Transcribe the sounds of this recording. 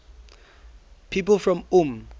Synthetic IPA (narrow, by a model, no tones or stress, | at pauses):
pʰiːpəlfɹɔ̃mũm